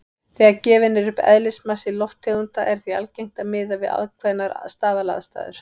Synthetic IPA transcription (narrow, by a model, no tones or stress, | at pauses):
θɛːacɛːvɪnːɪɾʏpɛ̰ðlɪsmasɪlɔft̪ʰːeɣunt̪aʔɛɾ̥θia̰lcejŋ̥t̪amɪːðavɪða̰ðkʰvɛðnːaɾst̪aːvala̰ːðst̪a̰ːðʏ̰ɾ̥